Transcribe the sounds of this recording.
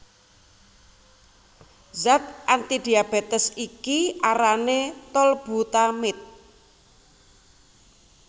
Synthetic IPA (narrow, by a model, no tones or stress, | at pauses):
zat̪̚ʔant̪id̪iab̥et̪əsikiaɾanet̪ɔlb̥ṳt̪amɪt̪̚